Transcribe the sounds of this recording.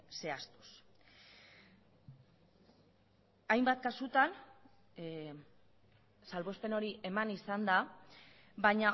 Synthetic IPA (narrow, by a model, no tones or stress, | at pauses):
se̞ast̪u̥s | ajmbat̪̚kasut̪an | salβo̞speno̞ɾiʔe̞manisand̪a | baɲa